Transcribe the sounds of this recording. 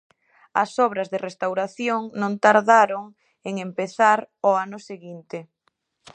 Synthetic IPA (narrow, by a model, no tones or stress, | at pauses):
ɐ̰sɔβɾɐzðɪrest̪awɾaθjoŋnõnt̪aɾðaɾoŋ | eŋempeθaɾoanʊseɣint̪e